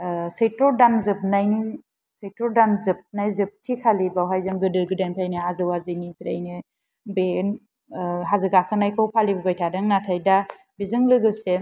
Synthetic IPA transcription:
sejtɔdanzɯp̚najni | sejtɔdanzɯp̚najzɯp̚tʰikʰalibawɦajzɯŋɡɯdɯɾɡɯdanpʰajnɯazɯwazɯnipʰiɾa̰jnɯ | ben | ɦazɯɡakʰɯnajkʰɯwpʰalibuɡajtʰadaŋnatʰajda | bizɯŋlɯɡɯse

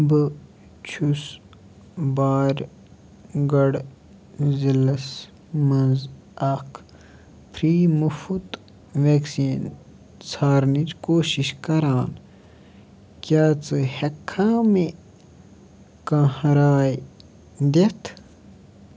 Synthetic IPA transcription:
bɨ | t͡ʃʰus | baːɾʲ | ɡɐɽ | zilɐs | mɐnz | ɐkʰ | pʰɾiːmufut̪ | ʋeksiːn | t͡sʰaːɾnit͡ʃkoːɕiɕkɐɾaːn | kʲjaːt͡sɨhekʰːaːme | kãːhɐɾaːj | d̪et̪ʰ

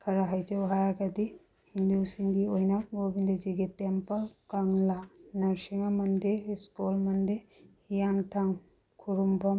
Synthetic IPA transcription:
kʰɐɾaɦajd͡ʒɐwɦajaɡɐdi | hindusiŋɡiojnɐɡobindeziɡitempɐlkaŋlanɐɾsiŋamɐndeskulmɐndehijaŋtʰaŋ | kʰuɾumbɔm

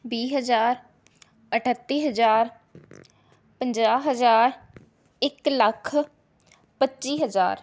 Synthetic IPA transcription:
biːɦəzaːɾ | əʈʰət̪ːiːɦəzaːɾ | pəɲd͡ʒaːɦəzaːɾ | ɪkləkʰ | pətːt͡ʃiːɦəza̰ːɾ

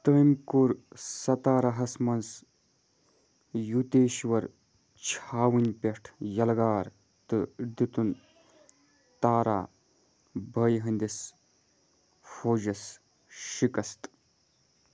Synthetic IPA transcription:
t̪əːjmkuɾsɐt̪aːɾɐɦɐsmɐns | jut̪eːʃʋɐɾ | t͡ʃʰaːwɨnʲpʲeʂʈʰjɐlɡaːɾ | t̪ɨd̪it̪un | t̪aːɾa̰ː | bʱɐːjɦɐnʲd̪is | foːd͡ʒɐs | ʃikɐst̪

